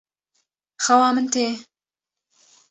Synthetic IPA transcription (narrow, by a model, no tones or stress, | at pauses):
xɐwɑːmɨnt̪eː